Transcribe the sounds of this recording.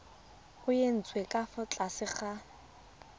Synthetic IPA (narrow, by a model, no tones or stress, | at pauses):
ʊjen̩t͡sʼwekʼafʊt͡ɬʼasɪχa